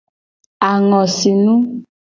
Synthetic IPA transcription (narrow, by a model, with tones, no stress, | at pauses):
a˨ŋɔ˨si˨nũ˦